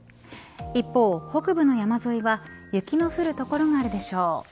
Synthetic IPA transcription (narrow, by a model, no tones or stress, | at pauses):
ipːo̞ːho̞kɯ̟bɯ̟no̞jamazo̞iβajɯ̟kʲino̞ɸɯ̟ɾɯ̟t̪o̞ko̞ɾo̞ŋaːɾɯ̟d̪e̞ɕo̞ː